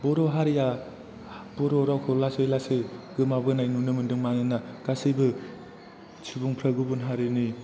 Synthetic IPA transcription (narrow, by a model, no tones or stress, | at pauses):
bɔɾoɦaɾija | bɔɾoɾawkʰɯlasojlasɯɡɯmabɯnajnunɯmɯndɯŋmaninakasibɯ | t͡ʃʰibuŋpʰɾaɡɯbunɦaɾɯni